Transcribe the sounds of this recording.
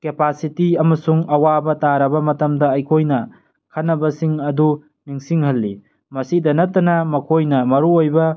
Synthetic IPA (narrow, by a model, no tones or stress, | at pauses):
kepasitiɐmɐsuŋɐwabɐtaɾɐbɐmɐtɐmdɐɐjkʰojnɐ | kʰanːɐbɐsiŋɐdu | niŋsiŋhɐlːi | mɐsidɐnɐtːɐnɐmɐkʰojnɐmɐɾuojbɐ